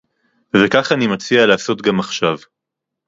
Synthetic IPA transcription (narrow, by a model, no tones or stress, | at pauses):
vekaχanimat͡sialaːso̞t̪ɡamaχʃav